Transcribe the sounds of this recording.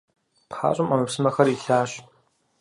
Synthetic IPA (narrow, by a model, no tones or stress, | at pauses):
pa̰ːɕʼɪmɐmɐpsɨmɐxɐɾiɬaːɕ